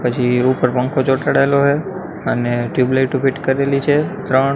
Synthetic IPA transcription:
pət͡ʃʰiupəɾpə̃ŋkʰot͡ʃoʈaɽeloɦe | əneʈjublejʈupiʈkəɾelit͡ʃʰet̪ɾəɳ

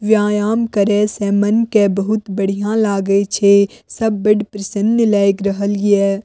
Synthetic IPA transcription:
ʋjaːjaːmkɐɾesɛːmɐnkebɐɦʊt̪bɐɽ̤ijãlaːɡəet͡ʃʰesɐbːɐɖpɾɐsənəlɛːkɾɐɦəliɛː

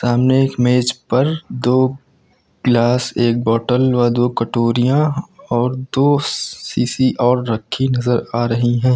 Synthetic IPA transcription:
saːmneːkmeːd͡ʒpɐɾd̪oː | ɡ̥laːseːk̚bɔːʈəlʋɐd̪oːkɐʈoːɾijãɔːɾd̪oːsiːsiʔɔːɾɾɐkʰːinɐzəɾaːɾɐɦiɦɛ̃ː

